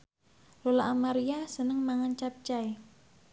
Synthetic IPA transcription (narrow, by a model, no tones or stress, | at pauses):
lolaʔamaɾiasənəŋmaŋant͡ʃap̚t͡ʃaj